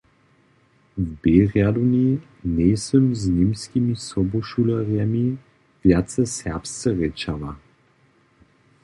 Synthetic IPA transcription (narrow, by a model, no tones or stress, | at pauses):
vbɛɾjad̪uni | nɛsəmznimskʲimisɔboʃuləɾjami | vjat̪sɛsɛpst̪səɾɛt͡ʃava